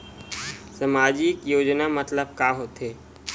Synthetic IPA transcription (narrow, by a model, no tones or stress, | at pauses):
sɐmaːd͡ʒikjoːd͡ʒnamɐt̪ləb̚kaːɦot̪ɦeː